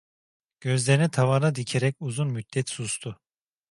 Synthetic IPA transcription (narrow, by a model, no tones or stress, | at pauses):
ɟ̥ø̞zlʲeɾinɛt̪ʰavanad̪icʰeɾɛcuzunmyd̪̥ːɛt̪sust̪ʰʊ